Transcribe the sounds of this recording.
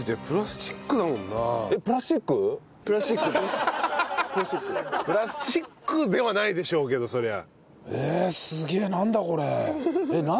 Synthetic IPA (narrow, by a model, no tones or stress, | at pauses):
t̪epɯ̟ɾasɨ̥t͡ɕi̥kːɯ̟namõ̞nːaepɯ̟ɾast͡ɕikːɯ | pɯɾasɨ̥t͡ɕikːɯɾa | pɯɾasikːɯpɯ̟ɾasɨ̥t͡ɕikːɯ̟d̪e̞βanaid̪e̞ɕo̞ːke̞d̪o̞so̞ɾe̞a̰ | eːsɨɡʲe̞ːnãnd̪ako̞ɾe̞ena